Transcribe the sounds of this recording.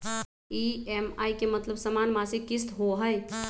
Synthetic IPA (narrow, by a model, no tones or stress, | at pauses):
iːɛmaːikemɐt̪ləbsəmaːnmaːsikɪst̪ɦoɦəj